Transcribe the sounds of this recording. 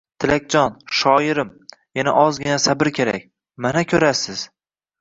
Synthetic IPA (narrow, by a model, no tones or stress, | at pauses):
t̪ʰɪlak̚ʲd͡ʒɒnʃɒɪɾɪmjana̰ʔɒzɡʲɪnasabɪɾkʲʰe̞ɾa̰k̚ʲ | manakʲʰɵɾasɪz̥